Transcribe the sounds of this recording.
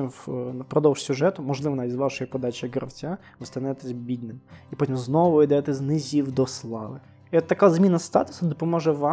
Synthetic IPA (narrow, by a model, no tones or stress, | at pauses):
impɾɔd̪ɔwʂsʲʊʒɛt̪ʊmɔʒlˠɪʋɔnɐizʋɑʃɔjipɔd̪ɑt͡ʃɪjiɡɾɐwtʲa | ʋɪst̪ɐnɛt̪ɛzʲbʲid̪ʲnɪmipɔtʲimznɔʋʊid̪ɛt̪ɛznɪzʲiwd̪ɔslˠɑʋɪ | iɔt̪ːɐkazmʲinɐst̪ɑ̰t̪ʊ̥sɐd̪ɔpɔmɔʒɛʋɑ